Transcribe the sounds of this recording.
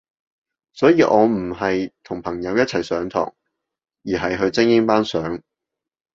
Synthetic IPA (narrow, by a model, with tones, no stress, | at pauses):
sɔː˨˥jiː˧ʔɔː˨˧m̩˨˩ɦɐ˨jt̪ʰʊ˨˩ŋpʰɐ˨˩ŋjɐ˨˧wjɐ˥t̚t͡sʰɐ˨˩jsœː˨˥ŋt̪ʰɔ̰ː˨˩ŋ | jiː˨˩ɦɐ˨jɦɵ˧ɥt͡sɪ˥ŋjɪ˥ŋpaː˥nsœː˨˥ŋ